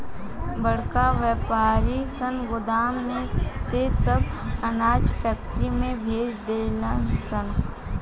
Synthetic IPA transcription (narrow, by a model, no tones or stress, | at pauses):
bəɽkaʋɛːpaːɾisənɡʊd̪aːmnẽsesəbɐnaːd͡ʒpʰɛːk̚ʈɾimẽbʱeːd͡ʒd̪eləsən